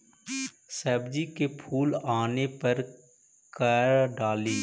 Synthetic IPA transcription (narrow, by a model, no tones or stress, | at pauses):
sɛːbd͡ʒikepʰuːlaːnepɐɾ | kəɾɖaːlĩː